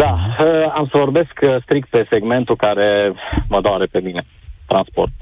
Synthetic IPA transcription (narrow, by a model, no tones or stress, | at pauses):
d̪aəamsəvo̞rbe̞skst̪ɾikt̪̚pe̞se̞ɡme̞nt̪ukaɾe̞məd̪oaɾepe̞mine̞ | t̪ɾanspo̞̰rt̪